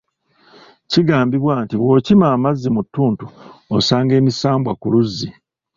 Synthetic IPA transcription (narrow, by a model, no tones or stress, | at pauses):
ciɡaːmbiβwaːntiβwo̞ːcimaːmazːimutːuːntuosaːŋɡe̞ːmisaːmbwakuluzːi